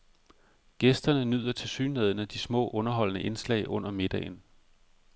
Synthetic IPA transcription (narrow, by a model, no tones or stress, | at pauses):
ɡ̥esd̥ɐnənyð̞̰ˠɐt͡sʰe̝lsyːneðˠnəd̥ismɔ̰̽ːʔɔ̽nɐɦɒ̽l̰nəʔe̝nslɛ̰ɪʔɔ̽n̰ɐme̝d̥ɛ̰ɪn